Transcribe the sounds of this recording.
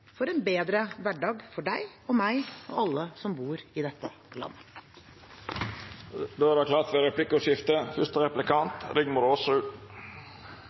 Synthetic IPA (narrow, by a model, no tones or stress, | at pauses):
fɔɾɛnbeːd̪ɾəʋæɖɑːɡfɔɖæɪɔmæɪɔɑlːəsɔmbuːɾɪd̪ɛt̪ːə | lɑ̰nːə | d̪oːæɾdɛkʰlɑːɾt̪ʋɛɾɛpʰlɪkʊʃɪft̪əfʏʂt̪əɾɛplɪkʰɑnt̪ɾʏɡmʊɾɔːsɔʉːt̪